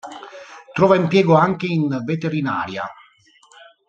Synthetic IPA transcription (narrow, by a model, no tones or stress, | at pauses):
t̪ɾɔːvaimpjɛːɡoaŋkeinvet̪eɾina̰ːɾja̰